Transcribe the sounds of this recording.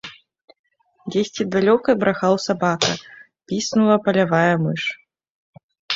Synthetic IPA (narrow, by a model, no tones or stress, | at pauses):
d͡zʲesʲt͡sʲid̪alʲɔkɐbɾʔaxawsabakɐ̰ | pʲisnulˠɐpɐlʲavajɐmɨʂ